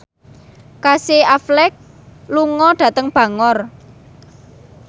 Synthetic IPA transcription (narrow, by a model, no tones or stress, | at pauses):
kaseaflɛk̚ | luŋɔɖ̥ä̤t̪əŋb̥ä̤ŋɔr